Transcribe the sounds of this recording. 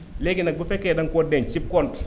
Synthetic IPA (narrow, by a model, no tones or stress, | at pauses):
leɡɪnak̚bɪpɛkɛdaŋkʷɔdɛɲt͡ʃip̚kɔnt